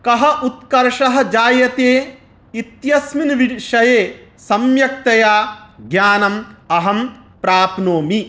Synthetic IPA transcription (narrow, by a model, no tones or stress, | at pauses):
kɐɦɐ̆ʔut̪̚kɐɾʃɐɦɐ̆d͡ʒaːjɐt̪eː | it̪jɐsminʋiʃɐjeːsɐmjɐk̚t̪ɐjaːɡjaːnɐmɐɦɐm | pɾaːpnoːmi